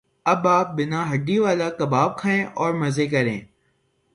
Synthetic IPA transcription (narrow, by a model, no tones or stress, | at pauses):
ɐbaːp̚bɪnãɦɐɖiʋaːlakɐbaːb̚kʰaẽːʔɔːɾmɐzeːkɐɾḛ̃ː